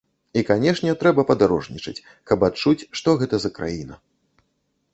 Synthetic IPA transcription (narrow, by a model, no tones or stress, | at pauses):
ikanʲɛʂnʲɛt̪ɾɛbɐpɐd̪aɾɔʐnʲit͡ʂɐ̰t͡sʲ | kɐpat̪̚t͡ʂut͡sʲʂt̪ɔɣɛt̪ɐzɐkɾa̰jinɐ̰